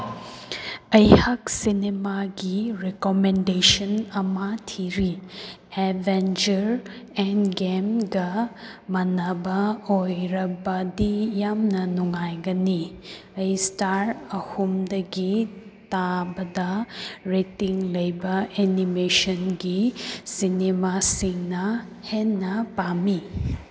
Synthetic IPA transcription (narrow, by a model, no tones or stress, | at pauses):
ɐjhɐksinemaɡiɾekomendesɐnɐmɐtʰiɾi | ebʱend͡ʒɐɾ | ɛnɡemɡɐ | mɐnɐbɐojɾɐbɐdijamnɐnuŋajɡɐni | ɐjstaɾɐhumdɐɡitabɐdɐɾetiŋlɐjbɐʔenimesɐnɡisinemasiŋnɐ | henːɐpami